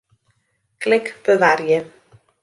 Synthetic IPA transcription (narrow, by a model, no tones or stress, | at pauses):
kʰlɪkʰb̥əðaɾjɪ